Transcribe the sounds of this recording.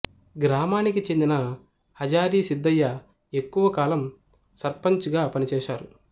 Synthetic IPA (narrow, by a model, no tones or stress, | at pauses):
ɡɾaːmaːnikit͡ʃe̞nd̪inɐ | hɐd͡ʒaːɾiːsid̪ːɐjːɐ | e̞kːuʋɐkaːlɐm | sɐɾpɐɲt͡ʃɡaːpɐnit͡ʃɛːʃaːɾu